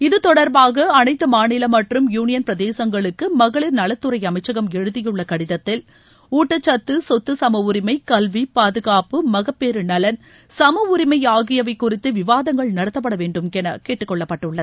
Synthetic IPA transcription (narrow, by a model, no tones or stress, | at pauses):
ɪðɯt̪ɔɽɐɾbaːɣɐɐnɐɪt̪ːɯmaːnɪlɐmɐʈrɯmjuːnɪjɐnpɾɐðeːsɐŋɡɐɭɯkːɯmɐɣɐɭɪɾnɐlɐt̪ːɯɾɐɪɐmɐɪt͡ʃːɐɣɐmɛɻɯðɪjɯɭːɐkɐɽɪðɐt̪ːɪl | uːʈːɐt͡ʃːɐt̪ːɯsɔt̪ːɯsɐmɐʋʊɾɪmɐɪkɐlʋipaːðɯɣaːpɯmɐɣɐpːeːɾɯnɐlɐn | sɐmɐʋʊɾɪmɐjaːɣɪjɐʋɐɪkːʊrɪt̪ːɯʋɪʋaːðɐŋɡɐɭnɐɽɐt̪ːɐpːɐɽɐʋeːɳɖɯmkɛnɐ̰keːʈːɯkːɔɭːɐpːɐʈːɯɭːɐðɯ